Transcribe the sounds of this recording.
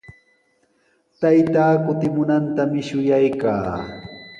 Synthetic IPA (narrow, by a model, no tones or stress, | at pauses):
t̪ajt̪aːkʊt̪ɪmʊnant̪amɪʃʊjajka̰ː